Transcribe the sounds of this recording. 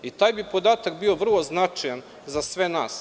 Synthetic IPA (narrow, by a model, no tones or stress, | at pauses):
it̪aːjbipo̞d̪aːt̪akbio̞ʋr̩lˠo̞znat͡ʃajan | zasʋe̞naːs